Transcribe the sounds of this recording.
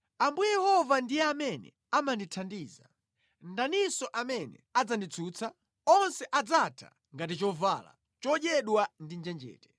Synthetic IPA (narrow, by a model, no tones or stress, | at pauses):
ambujɛjɛhɔvandijɛamɛnɛ̰ | amanditʰandiːza | ndanisɔʔamɛnɛ̰ad͡zandit͡sʰuːt͡sʰa | ɔnsɛʔad͡zatʰa̰ | ŋɡatit͡ʃɔvala̰ | t͡ʃɔʄɛɗwandind͡ʒɛnd͡ʒɛ̰ːtɛ̥